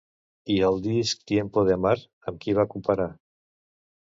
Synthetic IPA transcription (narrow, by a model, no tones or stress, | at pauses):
iəlˠd̪isk̚t̪jempoðemaɾ | əmkiβakumpəɾa